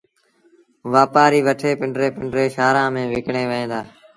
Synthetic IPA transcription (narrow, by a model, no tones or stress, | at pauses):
ʋaːpaːɾiːʋəʈʰeːpɪɳɖɾeːpɪɳɖɾeːʃaːɾãːmẽːʋɪkɳeːʋəẽːd̪aː